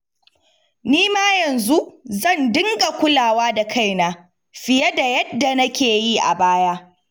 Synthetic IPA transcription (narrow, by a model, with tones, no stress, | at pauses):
niː˦maː˦jɐ˨nzu˦ʔzɐ˦˨ndɪ˦ŋɡa˨kʷʊ˦laː˨waː˦da˨kʰa˦˨jnaː˦ | ɸɪ˨jɐ˦da˨jɐ˦dːa˨nɐ˦kʲeː˨ji˦ʔa̰˨baː˦jaː˦